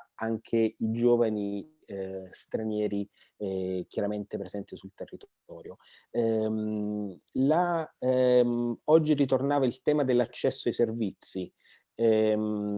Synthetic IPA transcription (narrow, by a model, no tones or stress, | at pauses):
aŋkʰeid͡ʒoːvani | st̪ɾanjɛːɾi | k̟jaɾament̪epɾezɛnt̪isult̪erːit̪ | ɔːɾjoɛm | la | ɔd͡ʒːirit̪̬ornaːvailt̪ɛːmad̪elːat͡ʃːɛsːoajservit̪sːi